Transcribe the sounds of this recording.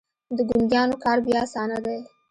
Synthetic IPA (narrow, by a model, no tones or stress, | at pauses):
d̪əɡʊnd̪jɑnokɑɾbjɑasɑnad̪aj